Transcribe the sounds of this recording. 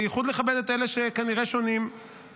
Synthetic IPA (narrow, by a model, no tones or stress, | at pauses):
jeχud̪leχabed̪et̪eleʃekaniʁeʃo̞nim